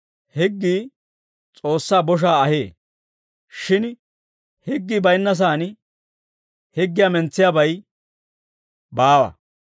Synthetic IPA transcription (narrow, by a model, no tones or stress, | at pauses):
hɛɡːiː | t͡sʼo̞ːsːaːbɔʃ̬aːɐheː | ʃɪn | hɪɡːiːbɐjnːɐs̬aːn | hɛɡːɪjamɛnt͡sːɪjabɐj | baːwɐ̰